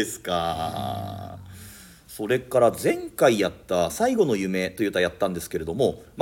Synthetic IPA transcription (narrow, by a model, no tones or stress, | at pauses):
esɨ̥ka | so̞ɾe̞kaɾazẽ̞ŋkaijat̪ːasaiɡo̞no̞jɯ̟me̞t̪o̞jɯ̟t̪ːajat̪ːãnd̪esɨ̥ke̞ɾe̞d̪o̞mo̞m